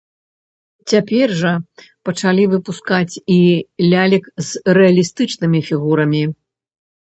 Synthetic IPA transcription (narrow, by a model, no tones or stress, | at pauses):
t͡sʲapʲɛrʐɐ | pɐt͡ʂalʲivɨpuskat͡sʲilʲalʲikzrɛɐlʲist̪ɨt͡ʂnɨmʲifʲiɣuɾɐmʲi